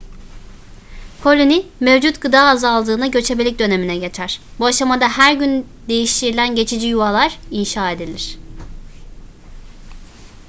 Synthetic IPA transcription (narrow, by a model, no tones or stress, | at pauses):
kʰo̞lʲonimevd͡ʒut̪ɡ̥ɯd̪aːzalˠd̪ɯːnaɟø̞t͡ʃʰe̞belʲic̚d̪ø̞ne̞minɛɟe̞t͡ʃʰæɾ̥buaʃamad̪ahæɾɟyn | d̪e̞jiʃt̪ʰiɾilʲænɟe̞t͡ʃʰid͡ʒijuvalˠaɾ̥inʃaːe̞d̪ilʲiɾ̝̥